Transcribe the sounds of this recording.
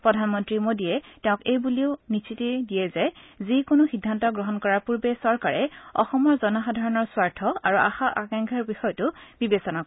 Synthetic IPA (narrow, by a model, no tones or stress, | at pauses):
pɹɔdʱanmɔntɹimodiɛtɛʊ̃kejbuliʊnisitidijɛzɛzikonʊxidʱːantɔɡɹɔɦɔnkɔɹaɹpuɹbesɔɹkaɹɛɔxɔmɔɹzɔnɔxadʱaɹɔnɔɹswaɹtʰɔaɹua̰xaʔakaŋkʰɛɹbixɔjɔtʊb̥ibesɔnak